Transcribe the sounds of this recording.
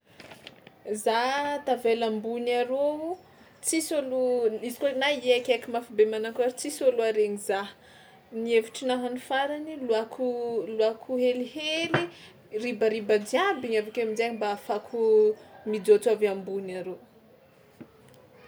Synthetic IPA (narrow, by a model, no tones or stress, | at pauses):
zat̪avelambunaɾou | t͡sisoluizi̥kanajakʲakimafibemanakaɾit͡sisoluaɾeɲiza | nieviʈ͡ʂinaɦanufaɾaniluakʰuluakʰuɦeliheli | ribaɾibad͡ʒiabiɲavakeamid͡ʒaɲibaːfakʰumid͡zot͡suavambunaɾo